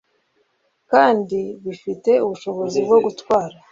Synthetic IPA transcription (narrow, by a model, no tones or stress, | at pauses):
kaːndiβifite̞uβuʃo̞βo̞zibɡo̞ɡutwaːɾa